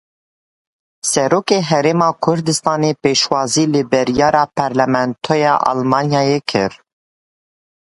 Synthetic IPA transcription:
sɛɾoːkeːɦɛɾeːmɑːkʰʊɾd̪ɨst̪ɑːneːpeːʃwɑːziːlɨbɨɾjɑːɾɑːpʰɑɾlɛmɛnt̪ʰoːjɑːʔɑ̰lmɑːnjɑːjekʰɨ̰ɾ

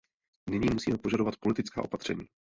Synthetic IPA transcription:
nɪɲiːmusiːmɛpo̞ʒado̞vat̪̚polɪt̪ɪt͡ska̰ːo̞pat̪r̥ɛ̰ɲḭː

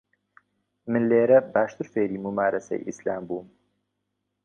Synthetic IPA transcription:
mɨnleːɾɐbaːʃt̪ɨɾfeːɾiːmumaːɾɐsɐ̰jʔḭsla̰ːmbuːm

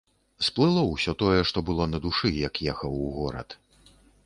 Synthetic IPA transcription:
splˠɨlˠɐwsʲɔt̪ɔjɛʂt̪ɔbɨlˠɔnɐd̪uʂɨjɐkjɛxɐwɣɔɾɐ̰t̪

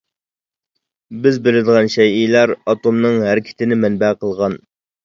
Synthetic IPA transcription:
bɪzbɪlɪd̪ɨʁɑnʃɛjijlˠæɾɑt̪omnɨŋɦæɾɪkʲʰɪ̥t̪ʰɪnɪmɛnbæqʰəlˠʁɑn

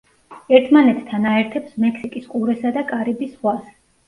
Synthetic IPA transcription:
ɛɾt̪ʰmanɛt̪ːʰanaɛɾt̪ʰɛpsmɛkʰsikʼiskʼuɾɛsad̪akʼaɾibisʁwas

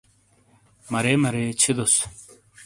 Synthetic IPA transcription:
mɐɾemɐɾeːt͡ɕʰid̪os

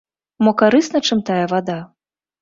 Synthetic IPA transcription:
mɔkaɾɨsnɐt͡ʂɨmt̪ajɐvad̪a

